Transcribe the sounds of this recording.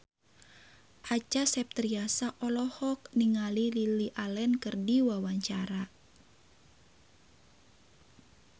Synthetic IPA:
ʔat͡ʃasɛp̚t̪ɾiasaʔɔlɔhɔk̚niŋalililiʔalɛnkɨrdiwawaɲt͡ʃaɾa

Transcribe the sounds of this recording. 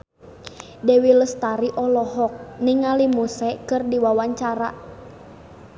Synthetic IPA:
dɛwiləst̪aɾiʔɔlɔɦɔk̚niŋalimusɛkɨrdiwawaɲt͡ʃaɾa

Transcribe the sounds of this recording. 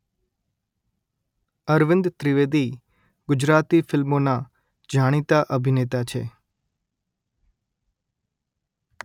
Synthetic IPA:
əɾʋɪ̃nd̪t̪ɾɪʋed̪i | ɡʊd͡ʒɾat̪ifɪlmona | d͡ʒʱaɽ̃it̪aʔəbʱinet̪at͡ʃʰḛ

